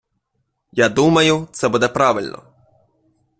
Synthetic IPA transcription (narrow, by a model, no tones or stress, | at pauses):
jad̪umɐjʊt̪sɛbud̪ɛpɾɑʋɪlʲnɔ̰